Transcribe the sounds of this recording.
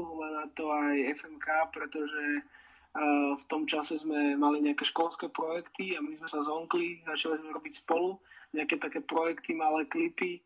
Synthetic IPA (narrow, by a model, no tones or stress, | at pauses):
ɦumanat̪ɔajɛfɛmkaːpɾɛt̪ɔʒɛ | ft̪ɔmt͡ʃasɛzmɛmaliɲɛakɛːʃkɔlskɛːpɾɔjɛkt̪iamizmɛsazɔŋklizat͡ʃalizmɛɾɔbicspɔluɲɛakɛːt̪akɛːpɾɔjɛkt̪imalɛːklipi